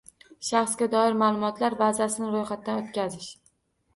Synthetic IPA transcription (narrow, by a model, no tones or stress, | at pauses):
ʃaχsɡʲad̪ɒɪɾmaːlˠʊmɒt̪laɾbazasɪnɪɾojχat̪̚ːanot̪̚kʲazɪʃ